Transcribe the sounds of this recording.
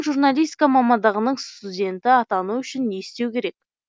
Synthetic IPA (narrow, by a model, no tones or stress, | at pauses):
ʒurnalʲijst̪ʲi̥kamɑmɑnd̪ɑʁənəɴst̪udʲe̞nt̪ɪɑt̪ɑnuʏʃɪnːeɪst̪e̞wkʲʰe̞ɾe̞k̚